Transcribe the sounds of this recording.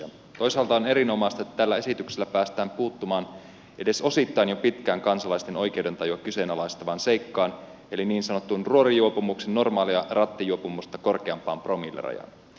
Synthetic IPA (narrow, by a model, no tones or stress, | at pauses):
t̪o̞jsɑːlt̪ɑone̞ɾino̞mɑjst̪ɑet̪ːæt̪ælːæe̞sit̪ykselːæpæːst̪æːmpuːt̪ːumɑːn | ʔe̞de̞so̞sit̪ːɑinjopit̪kæːŋkɑnsɑlɑjst̪e̞no̞jk̟ewde̞nt̪ɑjuɑkyse̞nɑlɑist̪ɑʋɑːnse̞jkːɑːn | e̞liniːnsɑno̞t̪ːunruo̞ɾijuopumuksenːo̞rmɑːliɑrɑt̪ːijuopumust̪ɑko̞rkeɑmpɑ̰ːmpro̞milːḛrɑ̰jɑ̰n